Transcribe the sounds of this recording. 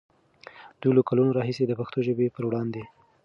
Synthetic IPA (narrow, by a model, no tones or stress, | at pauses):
d̪ulokalunoɾɑɦised̪əpaxt̪oʒəbepəɾwɽɑnd̪e